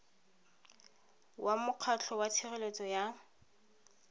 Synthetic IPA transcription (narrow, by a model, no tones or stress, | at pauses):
wʔamʊq͡χʰat͡ɬʰɔwatʰirelet͡sʼɔja